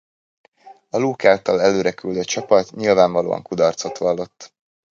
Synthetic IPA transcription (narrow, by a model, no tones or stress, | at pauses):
ɒluːkaːlt̪ɒlɛløːɾɛkyld̪øt͡ʃɒpɒt̪ɲilvaːɱvɒlo̰ːɒ̰ŋkud̪ɒrt̪so̞t̪ʋɒlːo̞t̪ː